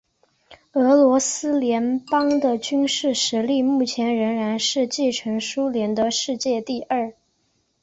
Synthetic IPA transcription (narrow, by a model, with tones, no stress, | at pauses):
ɤ˧˥lwɔ˧˥sɹ̩˥ljɛ˧˥npɑ˥ŋd̪ə˨t͡ɕy˥nʂɻ̩˥˩ʂɻ̩˧˥li˥˧mu˥˩t͡ɕʰjɛ˧˥nɻə˧˥ŋɻa˧˥nʂɻ̩˥˧t͡ɕi˥˩ʈ͡ʂʰɤ˧˥ŋʂu˥ljɛ˧˥nt̪ə˧˥ʂɻ̩˥˧t͡ɕjɛ˥˧t̪i˥˧ʔə˞˥˩